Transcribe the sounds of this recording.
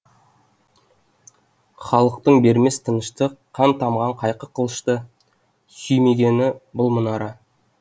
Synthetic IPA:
χɑlˠəq̚t̪əɴbe̞ɾme̞st̪ʰənəʃt̪əqʰɑnt̪ʰɑmʁɑɴqʰɑjqəqʰəlˠəʃt̪ə | sʏjme̞ɡʲe̞nɪbʊlˠmənɑɾɑ

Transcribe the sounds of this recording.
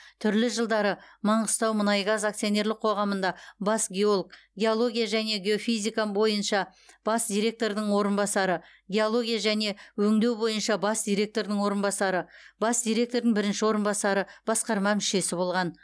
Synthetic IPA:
t̪ʰʏɾlɪʒəlˠd̪ɑɾəmɑɴʁəst̪ɑwmənɑjɡɑzak̚t̪sijo̞ne̞ɾlˠɪq̚qʰo̞ʁɑmənd̪ɑbɑsɡʲeo̞lˠkɡʲe̞o̞lˠo̞ɡʲijaʒæne̞ɡʲeo̞fijzikabo̞jənʃɑ | b̥ɑsd̪ʲijɾe̞k̚t̪o̞ɾd̪əɴwo̞ɾənbɑsɑɾə | ɡʲe̞o̞lˠo̞ɡʲijaʒæne̞wɵŋd̪e̞wbo̞jənʃɑbɑsd̪̥ʲijɾʲe̞k̚t̪o̞ɾd̪əɴwo̞ɾənbɑsɑɾəbɑsd̪ʲijɾʲe̞k̚t̪o̞ɾd̪əŋbɪɾɪnʃɪwo̞ɾənbɑsɑɾəb̥ɑsqɑɾmɑmɪʃe̞sɪbo̞lˠʁɑn

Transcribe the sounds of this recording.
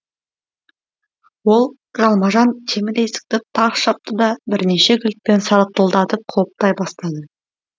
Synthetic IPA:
wo̞lˠ | ʒɑlˠmɑʒɑnt̪ʰe̞mɪd̪e̞sɪ̥k̚t̪ɪt̪ʰɑqʃɑp̚t̪əd̪ɑbɪɾne̞ʃeɡʲʏlk̚pe̞nsɑlˠəq̚t̪əlˠd̪ɑt̪əp̚qʰolˠp̚t̪ɑjbɑst̪ɑd̪ə

